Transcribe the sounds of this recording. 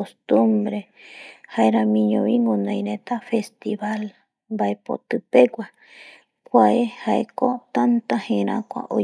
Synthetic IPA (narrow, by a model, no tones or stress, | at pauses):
ost̪ũmbɾe | haeɾãmĩɲõ̰βiŋɡõnãj̃ɾẽt̪afest̪iβal | mbaepo̰t̪ɨpeɡʷa | kʷaehaekot̪ant̪ahẽɾ̃ã̰kʷa̰ʔo̰